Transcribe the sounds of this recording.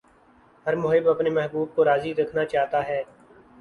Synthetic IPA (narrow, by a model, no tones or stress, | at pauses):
ɦəɾmʊɦɪbɐpnemɛɦbuːb̚koɾaːziɾɐkʰnat͡ʃaːɦt̪aɦɛː